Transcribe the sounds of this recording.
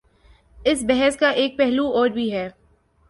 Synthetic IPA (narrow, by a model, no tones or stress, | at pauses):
ɪs̬bɛɦɛskaʔeːk̚pɛɦluɔːɾbʱiɦɛː